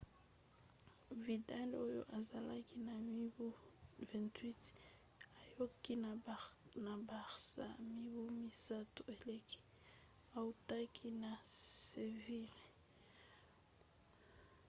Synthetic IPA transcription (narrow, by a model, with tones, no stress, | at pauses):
vi˨da˦lo˦jo̰˦ʔa˨za˨la˦ki˦na˨mi˦bu˦vɛ̃˨ntwi˦t | a˨jo˦ki˦n | na˨ba˨ʁsa̰˨mi˦βu˦mi˨sa˦tu˨e˨le˦kʰi̥˦ | a˨u˨ta˦kʰi˦na˨se˨vi˦le˨